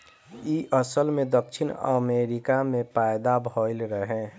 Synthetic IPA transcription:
iʔəsəlmẽd̪əkʃʰɪnə̰meɾɪkamẽpaːɪd̪abʱolɾəɦẽ

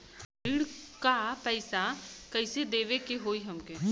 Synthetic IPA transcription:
ɪɽkapɛɪsakəɪsed̪eːʋekeɦoːiɦɐmkeː

